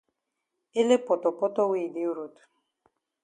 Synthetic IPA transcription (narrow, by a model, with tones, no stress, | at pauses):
ɪ˦le˦pɔ˨t̪ɔ˨pɔ˦t̪ɔ˦wi˦˨di˦u˦ɾo˨t̪